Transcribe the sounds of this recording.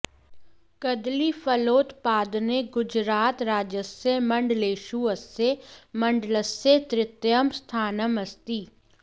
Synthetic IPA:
kɐd̪lifɐloːt̪paːd̪neɡʊd͡ʒɾaːt̪ɾaːd͡ʒəsemɐ̃ɳɖleːʃuɐsemɐ̃ɳɖləset̪ɾɪt̪jəmst̪ʰaːnəmɐst̪iː

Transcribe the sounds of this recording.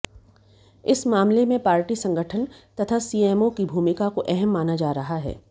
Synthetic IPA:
ɪsmaːmlemẽpaːɾʈisɐ̃ŋɡʱəʈʰənt̪ɐt̪ʰasiːɛːmokibʱuːmɪkakoʔɛɦɛmːaːnad͡ʒaːɾɐɦaɦɛ̰ː

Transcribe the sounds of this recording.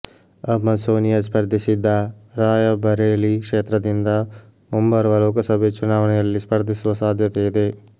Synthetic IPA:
ɐbmɐsoːnijɐspɐɾd̪ʱisid̪ːɐɾaːjɐbɐɾeːlikʂeːt̪ɾɐd̪ind̪ɐ | mɐmbɐɾʋɐloːkɐsɐbʱet͡ʃunaːʋɐɳɛjɐlːispɐɾd̪ʱisʋɐsaːd̪ʱjɐt̪eːd̪eː

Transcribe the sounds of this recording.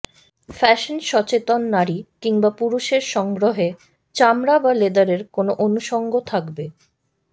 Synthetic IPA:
fɛʃonʃɔt͡ɕet̪onːaɾikiŋbapuɾuʃeɾʃɔŋɡɾoɦe | t͡ɕamɾabaled̪aɾeɾkonoʔonuʃɔŋɡot̪ʰakbe

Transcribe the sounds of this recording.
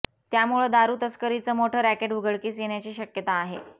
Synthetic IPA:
t̪jamuɭed̪aɾuːt̪əskəɾit͡səːmoʈʰəːɾækeʈuɡəɭkiːsjeɳjat͡ɕiːɕəkjət̪aːɦḛ

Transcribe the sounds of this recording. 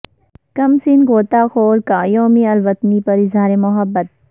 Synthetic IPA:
kɐmsinɡoːt̪aːxoːɾkaːjoːmiɐlʋɐt̪nipɐɾɪzɦaːɾemʊɦɐbːət̪̚

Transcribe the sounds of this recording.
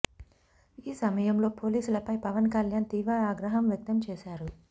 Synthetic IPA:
iːsɐmɐjɐmlo̞ːpo̞ːliːsulɐpɐjpɐʋɐnkɐljaːnt̪iːʋɾɐaːɡɾɐɦɐmʋjɐk̚t̪ɐmt͡ʃɛːʃaːɾu

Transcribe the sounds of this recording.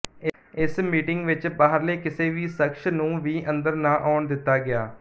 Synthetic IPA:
ɪ | ɪsmiːʈɪŋɡʋɪt͡ʃbaːɦəɾleːkɪseːʋiːsəkʃnũːʋiːʔənd̪əɾnaːʔaːʊɳd̪ɪt̪ːaːɡɪaː

